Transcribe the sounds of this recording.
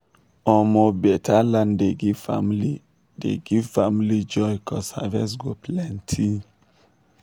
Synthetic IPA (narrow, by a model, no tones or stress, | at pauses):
ɔmobɛtʰalandeɡifa̰mli | dḛɡifamlid͡ʒɔjkɔsa̰vɛs̬ɡoplɛntʰi